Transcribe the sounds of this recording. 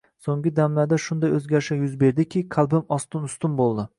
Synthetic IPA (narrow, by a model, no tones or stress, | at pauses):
soŋɡʲɪd̪amlad̪aʃʊnd̪ajɵzɡʲaɾʃajʊzbe̞ɾd̪ɪkʲʰɪqʰɑlˠbɪmɒst̪ʊnʊst̪ʊnbolˠd̪ɪ